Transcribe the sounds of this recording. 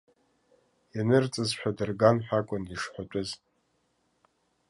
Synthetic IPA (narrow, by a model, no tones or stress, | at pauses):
janɨrt͡sʼɨzħʷᶣadɨrɡanħʷᶣakʷʼʊniʂħʷatʷʼʊz